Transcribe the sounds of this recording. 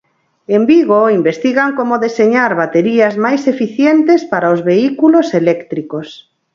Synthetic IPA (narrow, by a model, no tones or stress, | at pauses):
embiɣoimbest̪iɣaŋkomoðeseɲaɾβat̪eɾiazmajsefiθjent̪espaɾaozβeikuloselɛkt̪ɾikos